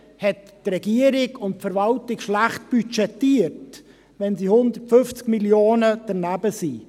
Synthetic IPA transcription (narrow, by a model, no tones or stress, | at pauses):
hɛtːrɛɡiəɾɪɡʊntfɛɾvɑltɪkʃlæχt̚b̥yt͡ʃɛtiːəɾt | ʋɛnsihʊnd̪ətfʏft͡skmiljoːnəd̥əɾnæbəsi